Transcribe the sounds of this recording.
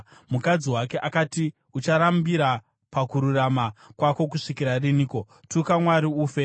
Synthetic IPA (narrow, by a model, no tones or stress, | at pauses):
mukad͡ziwake̞ʔakati | ut͡ʃaɾambiɾa | pakuɾuramakwako̞k̬uʂikiɾariniːko̞ | tukamwaɾiuːfe̞